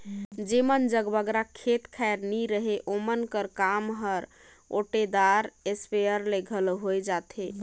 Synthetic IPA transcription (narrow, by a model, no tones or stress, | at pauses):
d͡ʒemənd͡ʒəɡbəɡɾakʰet̪kʰaeɾniɾəɦeʔomənkəɾkamɦəɾ | o̰ʈed̪aɾespejəɾleɡʱəloɦojd͡ʒat̪ʰe